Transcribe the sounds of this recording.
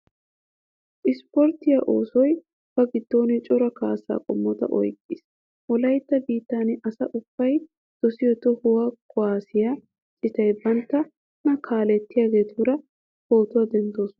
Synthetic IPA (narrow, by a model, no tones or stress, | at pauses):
ʔɪspɔɾt̪ːɪjaʔo̞ːsɔj | b̥ɐɡɪd̪̥ːo̞ːnɛt͡ʃʼɔɾɐkaːsːa̰ːkʼɔmːɔt̪ɐ̰ʔɔ̰jkʼːɪs | ʔɔlɐjt̪ːɐbiːt̪ːaːnɛʔɐsɐʔʊbːɐj | d̪̥ɔsɪjɔt̪ːɔhʊwakʰɔaːsɪja | t͡sʼɪt̪ɐjbɐnt̪ːɐ | nɐkʰaːlɛt̪ːɪjaːɡe̞ːt̪uːɾɐ | ho̞ːt̪ʊɐd̪ɛnt̪ːo̞ːsɔnɐ